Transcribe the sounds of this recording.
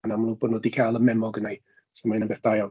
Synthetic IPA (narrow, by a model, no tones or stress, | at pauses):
namanuboːdnɔdikʰajlˠəmɛmɔɡənaj | sɔmaɪnəbeːθd̥aja